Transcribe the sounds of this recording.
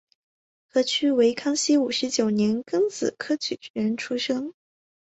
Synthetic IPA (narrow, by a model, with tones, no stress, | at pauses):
kʰɤ˥˩t͡ɕʰy˥we˧˥ɪkʰɑ˥ŋɕi˥u˨˩ʂɻ̩˧˥t͡ɕjo˨˩ʊnjɛ˧˥nkɤ˥ŋt͡sɹ̩˨˩kʰɤ˥t͡ɕʰy˨˩t͡ɕy˧˥ɻə˧˥nʈ͡ʂʰu˥ʂɤ˥ŋ